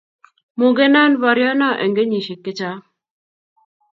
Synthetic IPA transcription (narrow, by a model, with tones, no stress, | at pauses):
mu˨ɡe˦na˦nvɔ˨ɾjɔ˦na˦ʔɛ˨ŋɡe˦ɲi˨ʃe˨kːɪ˦t͡ʃa˦